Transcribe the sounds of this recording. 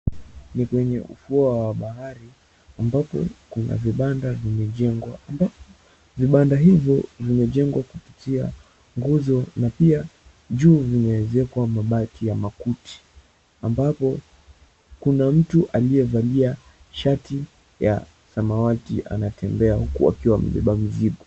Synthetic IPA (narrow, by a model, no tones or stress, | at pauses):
nikwɛɲɛ̰ʔṵfuawaɓahaɾi | ambapɔ̰kuna̰viɓandavimɛʄɛŋɡwaambapɔ | viɓandaɦivjɔ̰vimɛʄɛŋɡwakupitia̰ | ŋɡuzɔnapia | ʄuːvinawɛzɛkwamaɓakijamakuti̥ | ambapɔ | kunam̩tuʔaliɛvalia | ʃati | ja̰ | samawatḭʔa̰natɛmbɛahukṵa̰kiwamɛ̰ɓɛ̰ɓam̩ziɡɔ